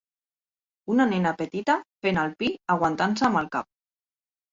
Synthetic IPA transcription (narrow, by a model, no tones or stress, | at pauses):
unanenapət̪it̪afenalˠpiaɣ̞want̪ansəːməlˠkap̚